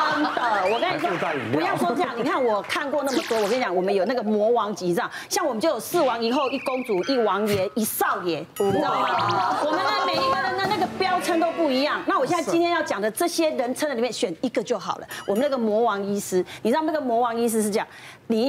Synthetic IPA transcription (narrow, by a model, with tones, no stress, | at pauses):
t̪ə˨˩˨wɔ˨ka˥˦˨kʰu˨˧˦jɑ˥˩ʊʂwɔ˥ɤ˥˧jŋni˨˩kʰa˥˩nwɔ˨˩kʰa˥˧nkwɔ˥˧na˥˩mə˨t̪wɔ˥wɔ˨kə˥˨˩t͡ɕja˨˦ŋwɔ˨˩mə˦njo˨˩na˥˩ɡə˨mwɔ˧˥wɑ˧˥ŋt͡ɕi˧˥t͡sɑ˥˩ŋɕjɑ˥˩ŋwmə˦t͡ɕjo˥˩ʊjo˨˩ʊsɹ̩˥˩wɑ˧˥ŋi˨˩xo˥˩ʊi˥˩ko˦ŋt͡su˨˩ʔi˥˩wɑ˧˥ŋjɛ˧˥˦i˨˥sɑ˥˩ʊjɛ˨˥˦ | wɔ˨mə˨˦me˨˩ɪi˧˥ɡə˨d̪ə˨nə˨˦na˥˩ɡə˨˩pjɑ˥ʊt͡sʰə˥nt̪o˥ʊpu˥˩i˧˥jɑ˥˨ŋna˥˩wɔ˨˩ɕjɛ˥˧na˥˨i˥nt̪ʰɛ˥njɑ˥˩ʊt͡ɕjɑ˨˩ŋd̪ə˦ʈ͡ʂɤ˥˩ɕjɛ˦ɻə˧˦nt͡sʰə˥nd̪ə˨li˨˩mjɛ˥˨nɕɥɛ˨˩ni˦˥ɡə˨t͡ɕjo˥˩ʊxɑ̰˨˩ʊlə̰˦wɔ˨˩mə˦na˥˩ɡə˨mwɔ˧˥wɑ˧˥ŋi˥sɹ̩˥ni˨˩˥na˥˩ɡə˨mwɔ˧˥wɑ˧˥ŋi˥s̬ɹ̩˥ʂ̬̩˥˩ʈ͡ʂə˥jɑ̰˨ | ni˨˩˦